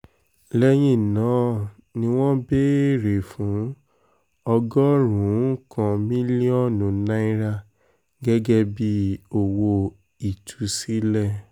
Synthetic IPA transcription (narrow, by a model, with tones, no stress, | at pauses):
lɛ˧j̃ĩ˦˨nãː˨˦ | nĩ˧w̃ɔ̃˦be˦ɾe˨fũ˨˦ | ɔ˧ɡɔ˦ɾũ˨˦kã˧mĩ˦li˦ɔ̃˦˨nũ˨nã˦i˦ɾa˦ | ɡɛ˦ɡɛ˦bi˦o˨wo˧ | i˨tʰu˨˧si˦lɛ˦˨